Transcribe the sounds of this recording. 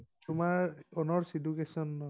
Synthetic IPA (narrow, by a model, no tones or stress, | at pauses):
tumaɹɔnɔɹsidukesɔnːɔ